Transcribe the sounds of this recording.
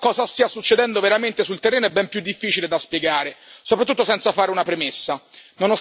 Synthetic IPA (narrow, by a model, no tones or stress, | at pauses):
kɔːzast̪iːasut͡ʃːed̪ɛnd̪oveɾament̪esult̪erːeːnoɛbːɛmpjud̪ːifːiːt͡ʃiled̪aspjeɡaːɾesopɾat̪ːut̪ːosɛnt̪safaːɾeunapɾemesːanono